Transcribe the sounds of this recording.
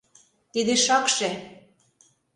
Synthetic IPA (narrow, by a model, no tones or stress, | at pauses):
t̪id̪eʃɑkʃe